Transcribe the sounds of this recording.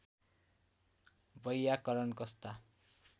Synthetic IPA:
bʌjːakʌɾʌnkʌst̪a

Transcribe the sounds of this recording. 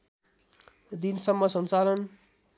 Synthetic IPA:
d̪insʌmːʌsʌnt͡salʌn

